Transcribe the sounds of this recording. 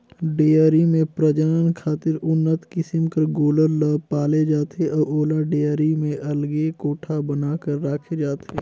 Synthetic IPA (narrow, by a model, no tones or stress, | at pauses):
ɖeːaːɾimẽpɾəd͡ʒənənkʰaːt̪ɪɾʊnːət̪kɪsɪmkəɾɡoːləɾləpaːled͡ʒaːt̪eʔɔːɾoːlaɖeːjaːɾimẽʔɐlɡekoːʈʰabənaːkəɾːaːkʰed͡ʒaːt̪eː